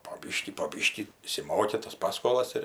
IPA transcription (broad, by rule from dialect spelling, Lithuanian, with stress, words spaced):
poː ˈbʲiːʃʲkʲiː poː ˈbʲiːʃʲkʲiː ɪʃʲsʲɪˈmoːkʲɪ tɐs ˈpɑːskoːlˠɐs ɪr